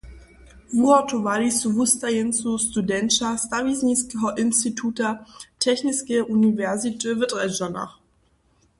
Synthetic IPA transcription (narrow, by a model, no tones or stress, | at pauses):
ʁuɔtʰovalisuvustajɛnsustudɛnʃastavisniskɔʔɪnstitʰuːtatʰɛçnɪskəʔunivɛɐzitevɪtʁɛd͡ʒana̰χ